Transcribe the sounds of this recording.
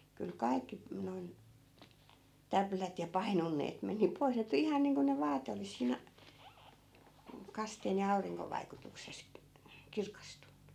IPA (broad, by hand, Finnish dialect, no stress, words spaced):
kyl kɑi̯kːi noi̯n tæplæt jɑ pɑinonːeːt meni pois ne tuli ihɑn niːŋko ne ʋɑːte olis siˑnæ̆ m̩ kɑsteːn jɑ ɑuriŋkoʋ ʋɑikutukses kirkɑstunːu